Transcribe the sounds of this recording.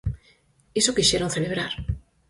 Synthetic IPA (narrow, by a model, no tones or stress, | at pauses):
isokiʃeɾonθeleβ̞ɾaɾ